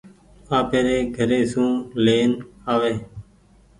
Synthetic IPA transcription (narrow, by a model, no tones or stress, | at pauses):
aːpeːɾeːɡʱəɾeːsũːleːnaːʋeː